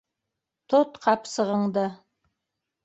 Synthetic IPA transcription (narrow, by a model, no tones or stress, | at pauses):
t̪ʰot̪qʰɑpsəʁəɴd̪ə